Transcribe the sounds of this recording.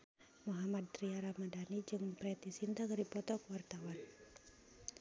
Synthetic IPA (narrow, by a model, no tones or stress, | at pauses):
muɦamad̪̚t̪ɾiaɾamadanid͡ʒɨŋpɾɛt̪isint̪akəɾipɔt̪ɔkəwart̪awan